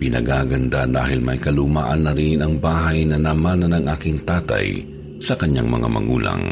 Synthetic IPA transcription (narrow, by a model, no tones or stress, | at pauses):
pɪnɐɡaɡɐnd̪ad̪a̰ːhɪlmɐjkɐlumaːʔɐnːɐɾinɐŋbaːɦɐjnɐnɐmaːnɐnɐŋʔaːkɪŋt̪aːt̪ɐ̰j | sɐkɐɲːaŋmɐ̰ŋa̰mɐ̰ɡṵːlɐ̰ŋ